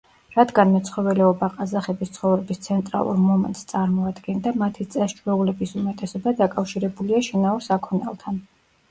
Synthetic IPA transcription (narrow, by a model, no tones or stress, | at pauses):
ɾad̪ɡanmɛt̪sʰχɔvɛlɛɔbaqʼazaχɛbist̪sʰχɔvɾɛbist̪sʰɛnt̪ʼɾa̰lˠṵɾmɔmɛ̰nt̪ʼst̪sʼaɾmɔad̪ɡɛnd̪amat̪ʰit̪sʼɛst͡ʃʰwɛulɛbisumɛt̪ʼɛsɔbad̪akʼafʃiɾɛbuliaʃinauɾsakʰɔnɛ̰lˠt̪ʰan